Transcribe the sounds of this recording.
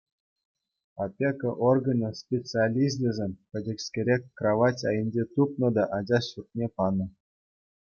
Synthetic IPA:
ɑpʲekɤ̆ʔorɡɤ̆nʲɤ̆spʲet͡sɨalʲizʲdʲɘ̆zʲemʲpʲɘ̆dʲɘ̆kʲsʲkʲeɾʲekʲkrɑʋɑtʲɑjɘ̆nʲd͡ʑet̪upnɤ̆d̪ɑʔɑd͡ʑɑɕurt̪̚nʲepɑnɤ̆

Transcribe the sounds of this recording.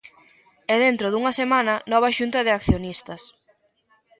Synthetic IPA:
ɛðent̪ɾoðuŋɐsemanɐnɔβ̞ɐʃunt̪ɐðɪakθjonist̪ɐs

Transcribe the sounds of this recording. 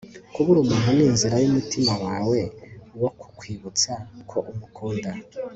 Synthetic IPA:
kuβuɾumanuniːnziɾajumutimawaːwe̞woku̥kwiːβut͡sakʰo̞ʔumukʰoːnda

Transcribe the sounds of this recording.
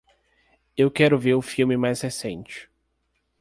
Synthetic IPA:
ewkɛɾʊveɾʊfiwmɪmajshesẽnt͡ʃɪ̥

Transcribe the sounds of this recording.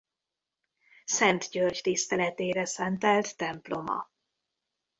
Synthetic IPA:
sɛnt̪ɟørct̪ist̪ɛlɛt̪eːɾɛsɛnt̪ɛlt̪ːɛmplo̞mɒ̰

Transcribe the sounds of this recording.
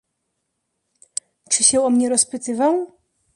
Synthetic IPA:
t͡ʂɘɕɛɔmɲɛɾɔspɘt̪ɘvaw

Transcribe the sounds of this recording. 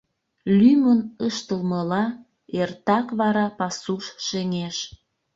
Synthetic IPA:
lymənəʃt̪əlməlɑ | ert̪ɑkβɑɾɑpɑsuʃʃeŋeʃ

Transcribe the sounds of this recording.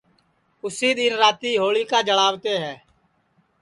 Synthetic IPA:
ʊsiːd̪ɪnɾaːt̪iːɦoːɭiːkaːd͡ʒəɽaːʋt̪eːɦɛː

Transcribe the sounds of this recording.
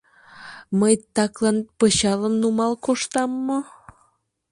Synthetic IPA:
məjt̪ɑklɑnpəɕɑləmnumɑlkoʃt̪ɑmːo

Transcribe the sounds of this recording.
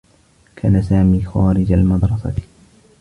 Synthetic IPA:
kʰaːnasaːmiːxaːɾɪd͡ʒalmɑd̪ɾˤɑsɑ̰

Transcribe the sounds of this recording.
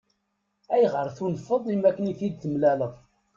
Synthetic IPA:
æjʁəɾθunəfːəðˤimækːəniθid̪θəmlæləðˤ

